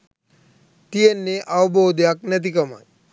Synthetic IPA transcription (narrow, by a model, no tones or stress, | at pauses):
t̪ijenːeʔawbowd̪jaknɐt̪̬ikɐma̰j